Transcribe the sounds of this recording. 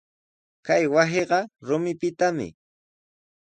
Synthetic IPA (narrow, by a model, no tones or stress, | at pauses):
kajwaseɢɑɾʊmɪpɪt̪amɪ̰